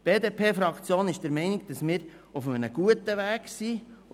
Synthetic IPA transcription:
b̥eːdeːpʰeːfɾɑkt͡sjoːnɪʃd̥əɾmɛɪnɪɡ̚d̥ɑsmɪːɾ | ufəmənəɡ̥uətəʋæːɡsi

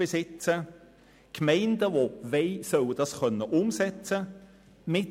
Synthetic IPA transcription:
ɪsɪt͡sə | kʰmɛɪnd̪əvoveɪsœld̥̪ɑskœnːəʔʊmsɛt͡sə | mɪ

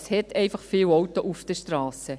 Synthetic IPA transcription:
shɛtʰɛɪfɑχfiːwɔwtoʔufd̥əʃtɾɑːsə

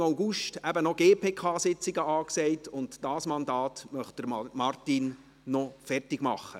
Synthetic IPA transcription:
aʊɡuʃtæbənɔɡ̥eːpʰeːkʰɑːsɪt͡sɪɡəɑːksɛɪtʊntd̥ɑːsmɑndɑːt̪mœχt̚d̥əɾmɑrtinː | ɔfɛrtɪɡ̥mɑχːə̰

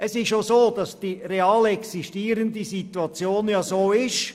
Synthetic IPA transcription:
ɛsɪʃjosoːd̥ɑsd̥iːɾeɑːlɛksiʃtiːəɾəndisituɑt͡sjoːnjɑːsoːɪʃ

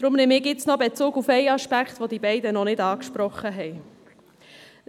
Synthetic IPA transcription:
d̥̪ɾʊmneːmɪːkɪt͡snɔbet͡suːɡufɛɪɑʃpækχtʋod̪ibɛɪdənɔnɪdɑːkʃpɾɔχːəɦɛj

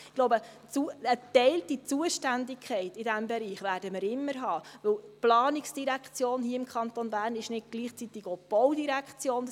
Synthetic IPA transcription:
ɡloʊbə | t͡suət̪ɛɪltit͡suəʃtændɪkʰχɛɪtɪdæmbɛɾiːχʋæːɾdəmɪɾɪmːəɾɦɑːʋɵwplɑːnɪksd̥iɾækχt͡sjoːnhiːəɪmkχɑnt̪onbæːɾnɪʃnɪt̚ɡ̥liːχt͡sit̪ɪɡob̥ɔwdiɾækχt͡sjoːn

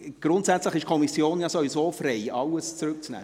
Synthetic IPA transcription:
ɡ̥ɾʊntsæt͡sləχɪʃkʰɔmisjoːnjɑsovisoːfreɪʔɑləst͡sɾʏk̚t͡snɛ̰ː

